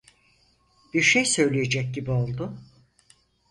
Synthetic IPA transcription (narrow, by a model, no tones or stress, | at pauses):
b̥iɾʃejsø̞jlʲije̞d͡ʒɛc̚ɟibio̞lˠd̪ʊ